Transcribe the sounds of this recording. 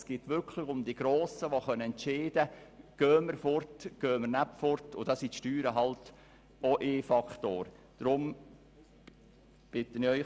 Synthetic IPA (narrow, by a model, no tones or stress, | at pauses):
sɡ̥ɪːtʋʏrkʰlɪχʊmd̪iɡ̥ɾoːsəʋoχœnəɛntt͡ʃeːd̥əɡ̥øːməɾfɔrtɡ̥øːməɾnapfɔɾtʊdɑsitʃtyːɾəɦɑlt | oʔeːfɑkχtoːɾ | d̥ɾʊm | b̥ɪtənɪœʏ